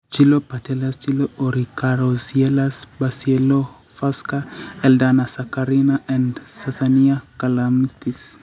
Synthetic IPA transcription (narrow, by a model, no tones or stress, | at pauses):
t͡ʃilopatɛlast͡ʃiloʔoɾikaɾosielasbasielofaskaɛldanasakaɾinaʔɛnsasaniakalamnist̪is